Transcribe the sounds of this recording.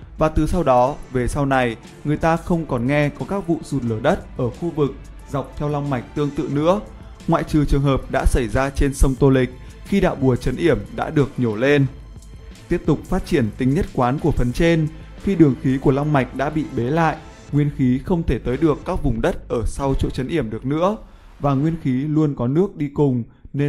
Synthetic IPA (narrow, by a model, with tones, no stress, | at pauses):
vaː˨˩t̪ɨ˨˩sa˧wɗɔ˨˦ve˨˩sa˧wna˨˩j | ŋɨ˨˩əjt̪aː˧xə˧wŋ͡mkɔ˨˩nŋɛ˧kɔ˨˦kaː˦˥k̚vṵ˧˨zu˨˩t̚ləː˧˩ɗə˦˥t̚ʔəː˧˩xu˧vɨ˨˩k̚ | za˨˩wk͡p̚t̪ʰɛ˧wla˧wŋ͡mma˨˩jk̟̚t̪ɨ˧əŋt̪ɨ̰˧˨nɨ̰˧˥ə | ŋwa̰ː˧˨jt͡ɕɨ˨˩t͡ɕɨ˨˩əŋɦəː˨˩p̚ɗa̰ː˧˥sa˧˩jzaː˧t͡ɕe˧nsə˧wŋ͡mt̪o˧lï˨˩k̟̚ | xi˧ɗa̰ː˧˨wɓu˨˩ət͡ɕə˨˦nʔi˧˩əmɗa̰ː˧˥ɗɨ˨˩ək̚ɲo˧˩le˧n | t̪i˦˥əp̚t̪ʊ˨˩k͡p̚faː˦˥t̚t͡ɕi˧˩ənt̪ï˨˦ŋ̟ɲə˦˥t̚kwaː˨˦nku˧˩əfə˨˩nt͡ɕe˧n | xi˧ɗɨ˨˩əŋxi˨˦ku˧˩əla˧wŋ͡mma˨˩jk̟̚ɗa̰ː˧˥ɓḭ˧˨ɓe˨˦la̰ː˧˨jʔ | ŋwi˧ənxi˨˦xə˧wŋ͡mt̪ʰe˧˩t̪əː˨˦jɗɨ˨˩əkːaː˦˥k̚vʊ˨˩ŋ͡mɗə˦˥t̚ʔəː˧˩sa˧wt͡ɕo̰˧˨t͡ɕə˨˦nʔi˧˩əmɗɨ˨˩ək̚nɨ̰˧˥ə | vaː˨˩ŋwi˧ənxi˨˦lu˧ənkɔ˨˦nɨ˦˥ək̚ɗi˧kʊ˨˩ŋ͡m | ne˧